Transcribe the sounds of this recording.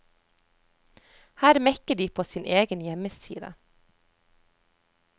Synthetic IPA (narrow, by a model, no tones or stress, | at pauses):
hæːɾmɛkəɖiːpʰoːsiːnʔeːɡənjɛməsḭːd̪ə̰